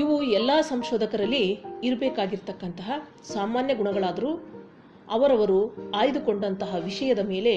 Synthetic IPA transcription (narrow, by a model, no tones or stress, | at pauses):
iʋuɛlːaːsɐmʃɔːd̪ɐkɐɾɐlːiːɾbeːkaːɡiɾt̪ɐkːɐnt̪ɐɦɐ | saːmaːnjɐɡuɳɐɡɐɭaːd̪ɐɾuː | ɐ̰ʋɐɾɐʋɐɾuaːjd̪uko̞ɳɖɐnt̪ɐɦɐʋiʂɐjɐd̪ɐme̞ːle̞